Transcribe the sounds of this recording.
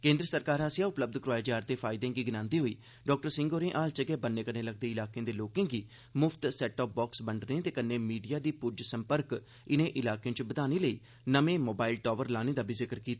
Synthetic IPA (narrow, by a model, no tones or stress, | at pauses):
kẽːnd̪ɾəsəɾkaːɾaːsɪjaːʊpləb̚d̪kɾʊaːjd͡ʒaːɾt̪eːpʰaːɪd̪ẽːɡiːɡɪnãːnd̪iːɦoːiː | ɖɔːk̚ʈəɾsɪ̃ŋɡoːɾẽːʔaːlt͡ʃəɡɛːbənːeːkəneːləɡ̚d̪eːɪlaːkeãːd̪eːloːkẽːɡiː | mʊpʰt̪sɛːʈɔːp̚bɔːksbəɳɖnẽːt̪eːkənːeːmiːɖijaːd̪iːpʊd͡ʒsəmpəɾk | ɪnẽːʔɪlaːkeãːt͡ʃbəd̪aːniːləḭː | nəmẽːmoːbaːɪlʈɔːʋəɾlaːneːd̪aːbʱiːzɪkəɾkiːt̪a